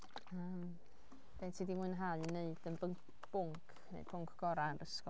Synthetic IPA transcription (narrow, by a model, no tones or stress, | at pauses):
əm | b̥eːtʰidimuɨnɦalˠneɨd̥ənbəŋk | b̥ʊŋkʰnḛjd̥̚pʰʊŋkʰɡ̥ɔɾanrəskɔ